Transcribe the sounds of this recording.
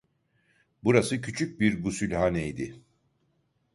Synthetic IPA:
buɾasɯcʰyt͡ʃʰyc̚biɾɡusylʲhanɛjd̪ɪ

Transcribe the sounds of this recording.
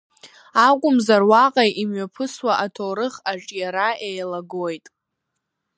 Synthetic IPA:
akʷʼʊmzarwaqʼajimɥapʰɨswaʔatʰoɾɨχaʈ͡ʂʼjaɾaʔejlaɡojtʼ

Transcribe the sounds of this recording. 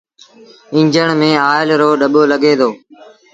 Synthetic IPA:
ɪ̃ɲd͡ʒəɳ̃mẽːaːɪlɾoːɗəɓoːləɠeːd̪ʰoː

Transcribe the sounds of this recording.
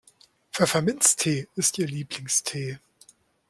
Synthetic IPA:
fyɐfɛɐmɪnstʰeːɪstʔiːɐliːplɪŋstʰeː

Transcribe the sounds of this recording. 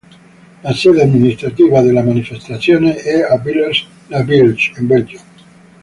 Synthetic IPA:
laseðeaðminist̪ɾat̪iβaðelamanifest̪aθjoneeabileɾs | labilt͡ʃembeld͡ʒa

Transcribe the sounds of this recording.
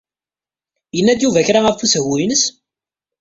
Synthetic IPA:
jənːæd̪juvæçɾaæfuswinəs

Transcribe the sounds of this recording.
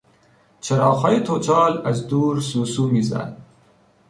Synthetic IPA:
t͡ʃʰɐɾɑːxɑːjet̪ʰot͡ʃɑːlazd̪uːɾsusumiza̰n

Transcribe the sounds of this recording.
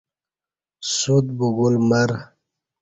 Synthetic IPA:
sud̪̚buɡulmaɾ

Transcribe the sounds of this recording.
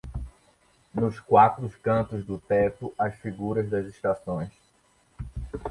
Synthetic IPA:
nʊskwat̪ɾʊskɐ̃t̪ʊzd̪ʊt̪ɛ̃p̪ʊʔɐsfiɡuɾɐzd̪ɐzeʃt̪asõj̃s

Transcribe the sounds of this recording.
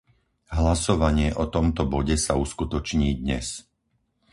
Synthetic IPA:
ɦlasɔʋaɲɪɛʔɔt̪ɔmt̪ɔbɔɟɛsauskut̪ɔt͡ʃɲiːd̪ɲɛ̰s

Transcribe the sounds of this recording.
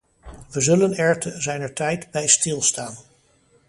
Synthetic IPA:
ʋəzɵlənɛɹtʰəzɛjnəɹtɛjtbɛjstɪlˠstaːn

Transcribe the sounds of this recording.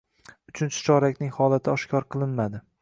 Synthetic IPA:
ʊt͡ʃʰɪnt͡ʃʰɪ̥t͡ʃʰɒɾakʲnɪŋhɒlˠat̪ʰɪɒʃkʲʰɒɾqʰɨlˠɪnmad̪ɪ

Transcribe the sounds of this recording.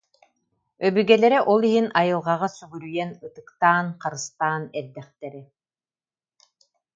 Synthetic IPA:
œbyɡɛlɛɾɛʔɔlˠiɦinajɯlˠʁaʁasyɡyɾyjɛnɯt̪ɯkt̪aːnqaɾɯst̪aːnɛɾd̪ɛχt̪ɛɾi

